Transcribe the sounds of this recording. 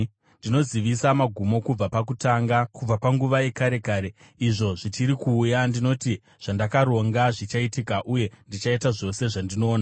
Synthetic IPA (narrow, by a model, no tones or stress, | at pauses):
ndino̞ziʋisamaɡʱumo̞kub͡vapakutaŋɡakub͡vapaŋɡuʋaje̞kaɾe̞kaːɾe̞ | iʐo̞ʐit͡ʃiɾikuːjandino̞ti | ʐ̥andakaɾo̞ŋɡaʐit͡ʃaitikaʔuje̞ndit͡ʃaitaʐo̞se̞ʐandino̞ːna